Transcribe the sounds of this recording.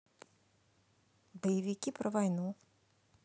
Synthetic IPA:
bəjɪvʲikʲipɾɐvajnu

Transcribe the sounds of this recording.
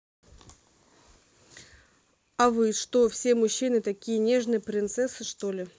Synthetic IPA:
ɐvɨʂt̪ofsʲemʊɕːinɨt̪ɐkʲijənʲe̞ʐnɨjəpɾʲɪnt̪sɛsːɨʂt̪olʲɪ

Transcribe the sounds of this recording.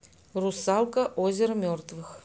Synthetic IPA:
rusalˠkʼɐʔozʲɪɾɐmʲort̪vɨx

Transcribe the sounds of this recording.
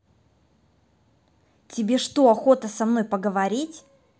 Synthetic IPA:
tʲɪbʲe̞ʂt̪o̞ɐxo̞t̪əsɐmno̞jpəɡəvɐɾʲitʲ

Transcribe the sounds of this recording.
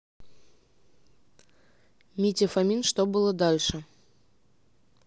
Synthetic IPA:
mʲitʲefamʲinʂt̪obɨlˠəd̪alʲʂɨ

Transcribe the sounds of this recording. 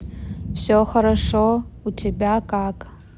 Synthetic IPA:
pɕowχɐɾaʂoutʰebʲakʼakʼ

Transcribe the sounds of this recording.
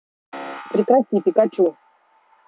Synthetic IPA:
pɾikɾasipʲikat͡ʃʼu

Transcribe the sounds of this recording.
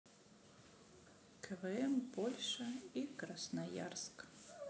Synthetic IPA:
kʰɛvɛɛmpɔlʲʂɐikɾɐsnaja̰rsk

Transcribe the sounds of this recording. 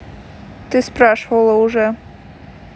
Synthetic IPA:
t̪ɨspraʂvɐlˠəuʐɛ

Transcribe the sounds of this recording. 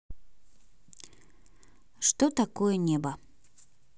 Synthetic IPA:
ʂt̪ot̪akojənʲebə

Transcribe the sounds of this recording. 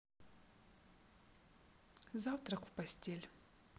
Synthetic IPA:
zawt̪rɐkʷwpɐsʲtʲelʲ

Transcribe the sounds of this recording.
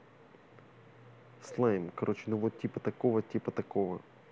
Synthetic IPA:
slˠɛjmkɐɾʔɔt͡ʃɪnɔʋɔtʲipɐt̪ɐkɔʋɐtʲipɐt̪ɐkɔʋɐ̰

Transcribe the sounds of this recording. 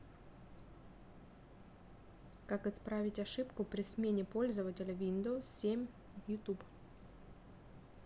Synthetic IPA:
kakɨspɾavʲɪtʲɐʂɨpkʊpɾʲɪsmʲenʲɪpo̞lʲzəvətʲɪlʲəvʲind̪əwʊssʲemʲ | vjʊt̪up

